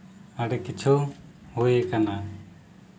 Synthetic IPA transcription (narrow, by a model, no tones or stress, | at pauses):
aɽɛkit͡ʃʰu | hujekana